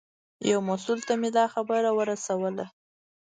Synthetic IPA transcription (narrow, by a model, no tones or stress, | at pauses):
jawmasult̪amed̪ɑxabəɾawəɾasawəla